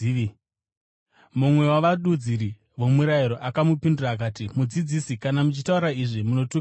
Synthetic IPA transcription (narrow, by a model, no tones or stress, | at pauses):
mumwe̞waʋaɗud͡ziɾi | ʋo̞muɾaiɾo̞ʔakamupinduraːk̬aːtimud͡zid͡zisikanamut͡ʃitauɾaiʐimuno̞tu